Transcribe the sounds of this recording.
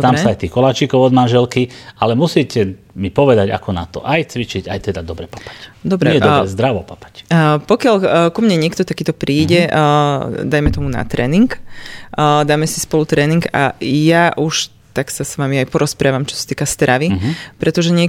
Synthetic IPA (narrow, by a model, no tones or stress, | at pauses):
t̪amɛsaajt̪iːxkɔlaːt͡ʃikɔʊɔd̪manʒɛlkialɛmusicɛ | mipɔʋɛd̪aɟa̰kɔna̰t̪ɔ̰ʔajt͡sʋit͡ʃiɟajt̪ɛd̪ad̪ɔbɾɛpḁpḁcd̪ɔbɾɛɛd̪ɾɛzd̪ɾaʋɔpapḁcːpɔkɪaʎkumɲɛɲɪɛkt̪ɔt̪akiːt̪ɔpɾiːɟɛ | d̪ajmɛt̪ɔmuna̰t̪ɾɛ̰ːniŋkː | d̪aːmɛsi̥spɔlut̪ɾɛːniŋɡa̰jaʔuʃ | t̪aksasʋamiajpɔɾɔspɾaːʋamt͡ʃɔ̥sḁt̪iːkast̪ɾʔaʋiɦpɾɛt̪ɔʒɛɲɪɛ